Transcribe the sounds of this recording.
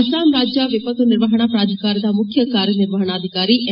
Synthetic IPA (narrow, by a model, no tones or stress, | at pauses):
saːmɾaːd͡ʒaʋɪpət̪nɪɾʋaːɦɽ̃apɾaːd͡ʒ̪ʱkaːɾd̪aːmʊkʰjəkaːɾjənɪɾʋaːɦɽ̃aəd̪ʱɪkaːɾiʔ